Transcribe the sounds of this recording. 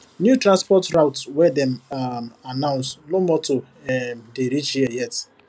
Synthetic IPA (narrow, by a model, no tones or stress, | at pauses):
njutɾãnspɔtɾaʊtswɛdɛm | anãʊ̃nsnomɔto | ɛdeɾit͡ʃhiajɛt